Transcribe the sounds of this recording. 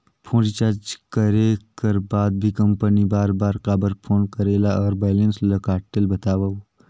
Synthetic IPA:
pʰõːd͡ʒit͡ʃaɾd͡ʒkəɾekɐɾbaːd̪̚bʱikɐ̃mpənibaːɾbaːɾqaːbəɾpʰoːnkəɾeːlaɔːɾbaːlẽnslɐkaːʈəlbɐt̪aːʋa

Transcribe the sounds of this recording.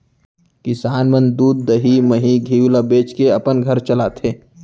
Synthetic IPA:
kɪsaːnmə̃nd̪uːd̪̚ːəɦiməɦiɡʱiːwlabeːt͡ʃkeɐpənɡʱəɾt͡ʃəlat̪ʰeː

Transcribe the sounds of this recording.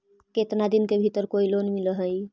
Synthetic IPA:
ket̪nad̪inkebʱit̪əɾkoilonmiləɦəi

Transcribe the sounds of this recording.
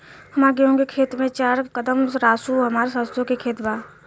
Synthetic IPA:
həmaːɾɡeɦõɡekʰeːt̪mẽt͡ʃaːɾkəd̪əmɾaːsuɦəmaːɾsəst̪õkekʰeːt̪baː

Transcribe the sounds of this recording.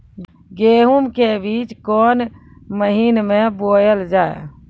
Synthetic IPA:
ɡeːɦumkebiːt͡ʃkɔːnməɦiːnmẽboːjəld͡ʒaːḛ

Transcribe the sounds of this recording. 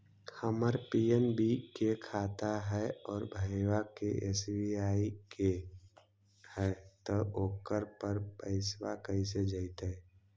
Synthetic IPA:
həməɾpiːenbʱikekʰaːt̪aɦɛɔːɾbʱəwakeʔeːsbiaːike | hɛːt̪əʔoːkəɾpəɾpəɪswakəis̬ed͡ʒəɪt̪ɦɛː

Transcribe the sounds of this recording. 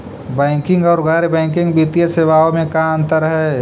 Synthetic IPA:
bɛ̃ːŋkɪ̃ŋɡɔːɾɣɛːɾebɛ̃ːŋkɪ̃ŋɡbit̪ijeseːʋaːõmẽkãə̃nt̪əɾəɦɛ

